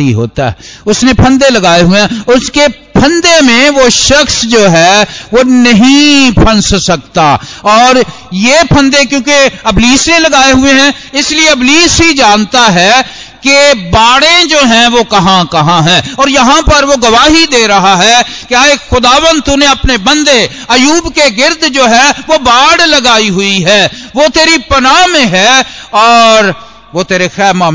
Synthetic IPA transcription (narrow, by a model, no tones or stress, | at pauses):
iɦo̰ːt̪a̰ɦɛ̰ʊsnepʰɐ̃nd̪elɐɡaːeɦʊeɦɛ̃ʊske | pʰɐ̃nd̪emẽʋoʃɐxsd͡ʒoːɦɛːʋonɐɦĩpʰɐ̃nssɐkt̪a̰ɔːɾ | jepʰə̃nd̪ekjõːkeɐbliːsnelɐɡaːeɦʊeɦɛ̃ | ɪslieɐbliːsɦid͡ʒaːnt̪aɦɛ | kebaːɽẽd͡ʒoːɦɛ̃ʋokɐɦãkɐɦãɦɛ̃ːɔːɾjɐɦãpɐɾʋoɡɐʋaːɦid̪eːɾɐɦaɦɛkeaːexʊd̪aːʋənd̪̚t̪unẽɐpnebɐ̃nd̪e | ɐjuːbkeɡɪɾd̪ʱd͡ʒoːɦɛʋobaːɽlɐɡaːiɦʊiɦɛːʋoːt̪eːɾipɐnaːmẽɦɛːɔːɾ | ʋot̪eːɾexɛːɾmaː